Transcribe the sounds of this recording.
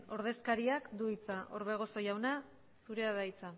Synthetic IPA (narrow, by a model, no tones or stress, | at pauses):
o̞ɾð̞e̞skaɾiakd̪uit͡saʔo̞ɾβe̞ɣ̞o̞so̞jawna | suɾeaðajt͡sa